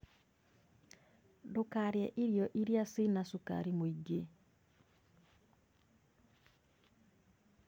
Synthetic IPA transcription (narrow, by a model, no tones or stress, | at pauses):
dokaɾjɛʔiɾjɔʔiɾjasinasuka̰ɾimoiɡe